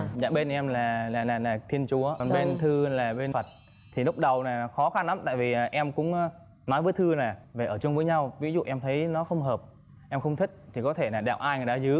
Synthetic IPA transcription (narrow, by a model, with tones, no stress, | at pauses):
za̰ː˧˩ɓe˧nʔɛ˧mlaː˨˩laː˨˩laː˨˩laː˨˩t̪ʰi˧ənt͡ɕu˨˦ə˨˩nɓe˧nt̪ʰɨ˧laː˨˩ɓe˧nfə˨˩t̚ | t̪ʰi˨˩lʊ˦˥k͡p̚ɗə˨˩wnaː˨˩˨xɔ˨˦xa˧nla˨˦mt̪a̰ː˧˨jvi˨˩˨ʔɛ˧mkʊ̰˧˥ŋ͡mː | nɔ˨˦jvəː˨˦jt̪ʰɨ˧naː˨˩ve˨˩ʔəː˧˩t͡ɕʊ˧ŋ͡mvəː˨˦jɲa˧wvi˨˦zṵ˧˨ʔɛ˧mt̪ʰə˨˦jnɔ˨˦xə˧wŋ͡mɦəː˨˩p̚ | ʔɛ˧mxə˧wŋ͡mt̪ʰï˦˥k̟̚t̪ʰi˨˩kɔ˨˦t̪ʰe˧˩naː˨˩ɗa̰ː˧˨˩wʔaː˧jŋaː˨˩jɗa̰ː˧˥zɨ˨˦